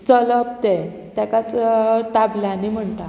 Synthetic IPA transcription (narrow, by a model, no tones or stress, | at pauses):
t͡sɔləpt̪e | t̪jakat͡sʈ̪ablanim̤əɳt̪a